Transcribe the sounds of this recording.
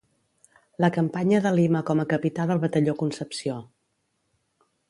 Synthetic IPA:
ləkəmpaɲəðəliməkɔməkəpit̪aðəlˠβət̪əʎokunsəpsio

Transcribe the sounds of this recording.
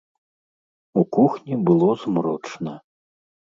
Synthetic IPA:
ukuxnʲibɨlˠɔzmɾɔt͡ʂnɐ

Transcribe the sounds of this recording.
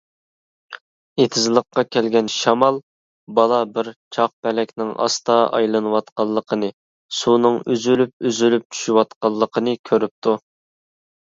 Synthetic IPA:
et̪ʰɪzlˠəqːɑkʲʰɛlɡʲɛnʃɑmɑlˠ | bɑlˠɑbɪɾt͡ʃʰɑq̚pɛlɛkʲnɪŋɑ̰st̪ɑɑ̰jlˠɨnɨwɑt̪qɑlˠːəqʰənɨ | sunɨŋyzylyp̚yzylyp̚t͡ʃʰy̥ʃywɑt̪qɑlˠːəqʰənɨkʲʰøɾyp̚t̪ʰu

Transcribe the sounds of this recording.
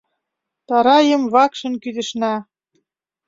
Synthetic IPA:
t̪ɑɾɑjə̆mβɑkʃɤ̆nkyd̪ə̆ʃnæ

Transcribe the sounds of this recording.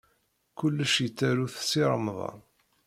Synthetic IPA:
kʊlːəʃjət͡sːæɾuθsiɾˤəmðˤɑ̰

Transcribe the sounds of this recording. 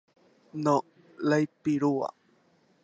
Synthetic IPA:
no | lajpiɾua̰

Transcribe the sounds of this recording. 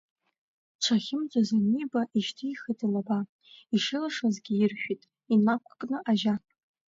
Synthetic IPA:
t͡ʃʷʰaχʲɪmd͡ʒʷʼazanibaʔiʃtʰijχɨtʰɨnaba | iʂɨlaʂazɡʲɪjɪrʃᶣʷitʼ | inakʷʰkʼnɨʔaʒa

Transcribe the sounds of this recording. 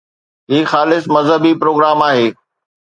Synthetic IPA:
ɦiːxaːlɪsmɐzɦəbipɾoːɡɾaːmaːɦeː

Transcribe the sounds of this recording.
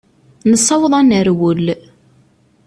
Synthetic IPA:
nəsˤːɑwðˤɑnəɾwəl

